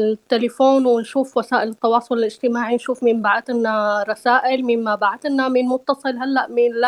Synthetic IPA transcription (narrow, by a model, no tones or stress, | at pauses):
t̪ːelɪfoːnwɪnʃuːfwasaːʔɪlɪt̪ːɑwɑːsˤʊlɪlɪd͡ʒ̥t̪ɪmaːʕinʃuːfmɪmbaʕd̪ɪnːaɾˤɑsaːʔɪlmɪmmabaʕd̪ɪnːamɪnmʊt̪ːɑsˤɨlɦalːaʔmɪnl